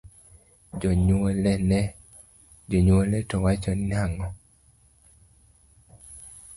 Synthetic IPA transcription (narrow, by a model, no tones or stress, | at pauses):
d͡ʒɔɲwolɛnɛ | d͡ʒɔɲwolɛtɔwat͡ʃɔnnaŋɔ